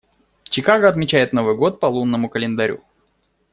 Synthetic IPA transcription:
t͡ɕɪkaɡəɐt̪mʲɪt͡ɕæjɪt̪no̞vɨjɡo̞t̪̚pɐlˠunːəmʊkəlʲɪnd̪ɐɾʲṵ

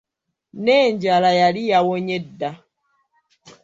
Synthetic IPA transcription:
nɛɲd͡ʒalajalijawoɲɛda

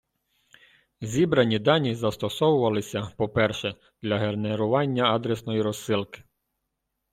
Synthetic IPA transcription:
zʲibɾɐnʲid̪ɑnʲizɐst̪ɔsɔwʊʋɐlˠɪsʲɐpɔpɛrʃɛ | d̪̥lʲɐɦerneɾʊʋɑnʲːɐɑd̪ɾesnɔjiɾɔsːɪlˠkɪ̥

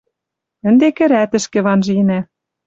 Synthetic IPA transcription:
ɘ̆nd̪ekɘ̆ɾæt̪ɘ̆ʃkĕβɑnʒĭnæ

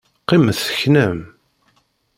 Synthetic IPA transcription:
qːimθːə̥çnəm

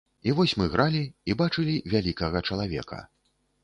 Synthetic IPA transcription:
ivɔsʲmɨɣɾʔalʲiibat͡ʂɨlʲivʲalʲikɐɣɐt͡ʂɐlˠavʲɛ̰kʰɐ̰

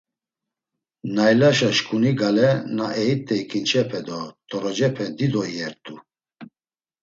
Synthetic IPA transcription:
najlaʃaʃkʼuniɡalɛnaɛit̪ʼːɛikʰint͡ʃʰɛpʰɛd̪ɔt̪ʰʼɔɾɔd͡ʒɛpʰɛd̪id̪ɔiɛɾt̪ʼu

